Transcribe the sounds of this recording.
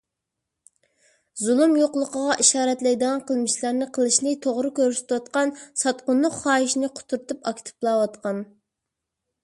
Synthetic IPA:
zulˠumjoqlˠəqəʁɑʔiʃɑːɾɛt̪lɛjd̪əʁɑnqʰəlˠmɨʃlˠɑɾnɨqʰəlˠɨʃnɨt̪ʰoʁɾɨkʲøɾsɪ̥t̪wɑt̪qɑnsɑt̪qʊnlːʊqχɑːiʃinɪqʰʊ̥t̪ʰuɾt̪upɑkʲt̪ʰɨ̥plˠɑwɑt̪qʰɑn

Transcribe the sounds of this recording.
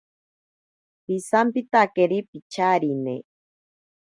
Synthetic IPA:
pisampit̪akeɾipit͡ʃaɾinḛ

